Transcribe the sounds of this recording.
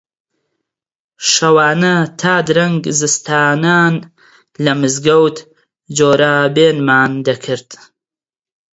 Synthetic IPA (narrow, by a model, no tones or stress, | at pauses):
ʃɐwaːnɐt̪ʰaːd̪ɨɾɐŋɡzɨst̪ʰaːnaːn | lɐmɨzɡɐwt̪ | d͡ʒoːɾabeːnmaːnd̪ɐkʰɨɾd̪̥